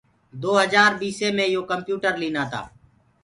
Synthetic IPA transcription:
d̪oːɦəzaːɾbiːsẽːmẽːjoːkəmpjuːʈəɾliːnaːt̪ʰa̰ː

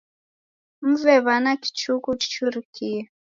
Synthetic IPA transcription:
m̩vɛβanaki̥t͡ʃukuki̥t͡ʃuɾikʰiɛ

